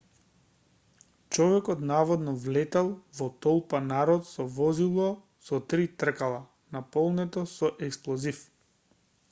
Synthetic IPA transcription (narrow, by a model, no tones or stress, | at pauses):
t͡ʃɔvɛkɔt̪navɔd̪nɔvlɛt̪ɛlˠvɔt̪ɔlˠpanaɾɔt̪sɔvɔzilˠɔ | sɔt̪ɾit̪r̩kalˠa | napɔlˠnɛt̪ɔsɔʔɛksplˠɔzif